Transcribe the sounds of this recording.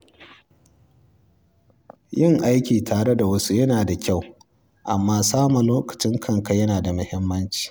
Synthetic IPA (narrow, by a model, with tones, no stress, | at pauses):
jɪ˦˨ŋʔa˦jkʲiː˨tʰaː˨ɽe˦da˨wɐ˦su˦jɐ˦naː˨da˨kʲa˦˨w | ʔa˨mːaː˦saː˦mɐ˨loː˦kɐ̥˨t͡ʃɪ˦ŋkʰɐ˦˨ŋka˨jɐ˦naː˨da˨mʊ˦hɪ˦mːɐ˦nt͡ʃi̥ː˨